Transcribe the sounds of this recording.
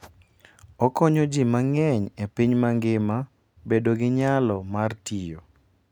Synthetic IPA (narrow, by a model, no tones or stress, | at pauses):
ɔkɔɲod͡ʒimaŋɛɲepiɲmaŋɡɪma | bedoɡɪɲalɔmartijo